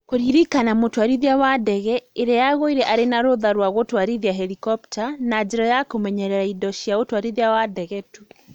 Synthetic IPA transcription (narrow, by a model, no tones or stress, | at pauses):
koɾiɾikanamotwaɾiðiawadɛɣɛeɾejaɣoiɾɛʔaɾenaɾoðaɾwaɣotwaɾiðiaɦɛɾikɔptanad͡ʒeɾɔjakomɛɲɛɾɛɾaidɔʃiaotwaɾiðiawadɛɣɛtu